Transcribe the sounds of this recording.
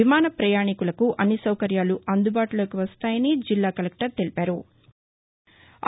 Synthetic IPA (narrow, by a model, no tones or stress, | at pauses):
imaːnɐpɾɐjaːɳikulɐkuʔɐnːisɐwkɐɾjaːluʔɐnd̪ubaːʈulo̞ːkiʋɐst̪aːjɐnid͡ʒilːaːkɐlek̚ʈɐɾt̪e̞lipæːɾu